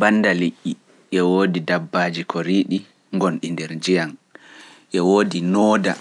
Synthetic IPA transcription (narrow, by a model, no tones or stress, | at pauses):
banːdaliʔːi | ʔɛwoːdidabːaːd͡ʒikʰoɾiːɗi | ŋɡɔnɗindɛɾd͡ʒijan | ʔɛwoːdinɔːda